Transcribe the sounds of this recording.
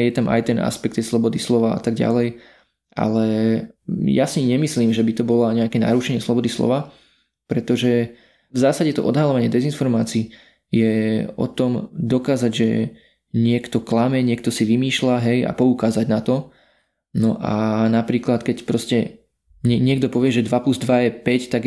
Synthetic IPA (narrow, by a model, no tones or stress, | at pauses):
jɛt̪amʔa̰jt̪ɛnʔa̰spɛk̚t̪ːɛjslɔbɔd̪islɔʋaa̰t̪aɡɟa̰lɛj | ʔa̰lɛ | ja̰siɲɛmisliːmʒɛbit̪ɔbɔlaɲɛakɛːna̰ɾuʃɛɲɪɛslɔbɔd̪islɔ̰ʋa | pɾɛt̪ɔʒɛ | vzaːsaɟɛt̪ɔ̰ʔɔd̪ɦalɔʋaɲɪɛd̪ɛzinfɔɾmaːt͡siː | jɛɔ̰t̪ɔmd̪ɔkaːzaɟʒɛ | ɲɪɛkt̪ɔklamɛɲɪɛk̚t̪ɔsiʋimiːʃlaɦɛja̰pɔukaːzaɟnat̪ɔ | nɔʔa̰napɾiːklat̪kɛcpɾɔscɛ | ɲɛɲɪɛɡd̪ɔpɔʋɪɛʒɛd̪ʋapluzd̪ʋajɛpɛct̪aɡ